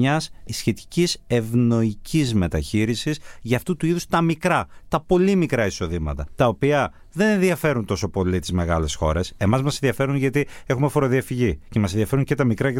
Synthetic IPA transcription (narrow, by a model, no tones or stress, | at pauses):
ɐsisçe̞t̪i̥cise̞vno̞icizme̞t̪ɐçiɾisisʝɐːft̪ut̪uiðust̪ɐmikɾɐt̪ɐpo̞limikɾɐiso̞ðimɐ̰t̪ɐt̪ɐopiɐ | ðe̞ne̞nðiɐfe̞ɾunt̪o̞so̞po̞lit̪izme̞ɣɐle̞sxo̞̰ɾe̞se̞mɐzmɐsenðiɐfe̞ɾunʝɐt̪ie̞xumefo̞ɾo̞ðiɐfiʝicemɐseðiɐfe̞ɾuɲce̞t̪ɐmikɾɐɐ